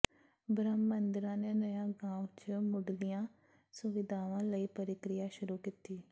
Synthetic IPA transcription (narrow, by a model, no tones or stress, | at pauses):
bɾəmːənd̪ɪɾãːneːnəjãːɡãːut͡ʃmʊɖlijãː | sʊʋɪd̪ʱaːʋãːləiːpəɾɪkɾɪjaːʃʊɾuːkit̪iː